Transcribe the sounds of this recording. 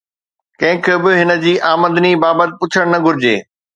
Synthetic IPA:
kɐ̃ɦɪ̃kʰɪbɪɦɪnə̆d͡ʑiːʔaːmə̃nd̪nibaːbət̪̬ɪ̆pʊt͡ɕʰəɽ̃nɐɡʱʊɾɪd͡ʑeː

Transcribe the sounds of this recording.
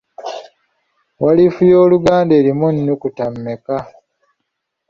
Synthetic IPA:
walifujo̞ːluɡaːnde̞ːlimunːukutamːeka

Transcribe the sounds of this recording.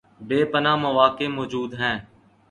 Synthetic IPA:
beːpənãːməʋaːkeːmoːd͡ʒuːd̪ɦɛ̃ː

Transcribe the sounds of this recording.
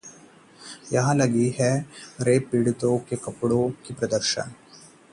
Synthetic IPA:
jɐɦãlɐɡiɦɛɾeːpːiːɽɪt̪õkekɐpɽõkipɾɐd̪əɾʃə̰ɳ

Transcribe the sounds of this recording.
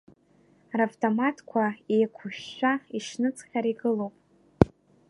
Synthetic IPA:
ravtʰʼomatʰkʷʰaejkʷʰʊʃᶣːʷaiʃnɨt͡sʼχʲaɾiɡɨlowpʼ

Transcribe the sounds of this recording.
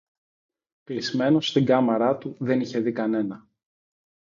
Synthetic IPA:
pizme̞no̞st̪iŋɡɐmɐɾɐt̪uðe̞niçe̞ðikɐne̞nɐ

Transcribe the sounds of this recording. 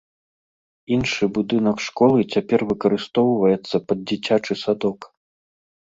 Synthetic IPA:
inʂɨbud̪ɨnɐkʂkɔlˠɨt͡sʲapʲɛrvɨkɐɾɨst̪ɔwvɐjɛt̪sːɐpɐd̪̚d͡zʲit͡sʲat͡ʂɨsad̪ɔk

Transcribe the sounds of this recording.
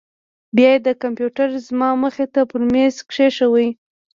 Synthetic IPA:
bjɑjed̪əkampjuʈaɾzmɑməxet̪apəɾmmeskʂeʃəwəj

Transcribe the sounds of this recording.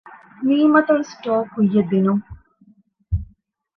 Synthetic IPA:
miːmɐt̪ɐʋesʈoːkujːɐd̪ːinuŋ

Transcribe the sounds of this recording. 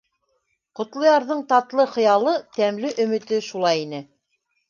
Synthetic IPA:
qŏt̪lˠɤ̆jɑɾðɤɴt̪ɑt̪lˠɤχɤ̆jɑlˠɤt̪æmlɘʔɵ̆mɘ̆t̪ɘʃulˠɑjinɘ

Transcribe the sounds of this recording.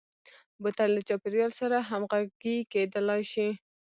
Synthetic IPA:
bət̪anlət͡ʃɑpɪɾjɑlsaɾaɦamɣaɡiked̪əlɑjʃi

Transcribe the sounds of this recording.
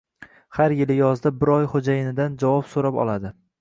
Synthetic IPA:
haɾjɪlɪjɒzd̪abɪɾɒjχod͡ʒajɪnɪd̪and͡ʒavɒpsoɾapɒ̰lad̪ɪ

